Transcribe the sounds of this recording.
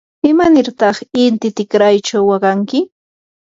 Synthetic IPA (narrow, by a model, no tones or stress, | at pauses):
ɪmanɪɾt̪ɑχɪnt̪ɪt̪ɪkɾajt͡ʃawːɑɢɑŋkɪ